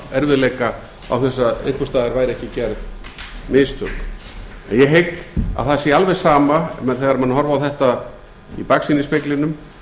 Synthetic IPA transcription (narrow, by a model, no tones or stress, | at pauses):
ɛɾvɪlejka | a̰wθɛsːaðḛnt̪ɔst̪aːðɪɾvaːjɾɛhcɪcɛɾðmɪːst̪ʰœ̰k | ɛ̰njɛɦejka̰θasɛalvɛ̥saːmamɛθɛɣaɾmanɦɔɾvawθɛht̪a | ipaksinɪspɪklɪnʏm